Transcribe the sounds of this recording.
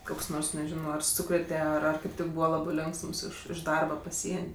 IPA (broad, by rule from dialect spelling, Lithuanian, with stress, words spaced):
ˈkoːks ˈnoːrs nʲɛˈʒʲɪnoː ɐr ˈsuːkrʲeːtʲɛ ˈɐr ɐr kɐɪp ˈtʲɪk ˈbuːʋɐ ˈlˠɑːbɜ ˈlʲoːŋksms ˈɪʃ ˈdɐrbɐ pɐˈsʲiɛnʲ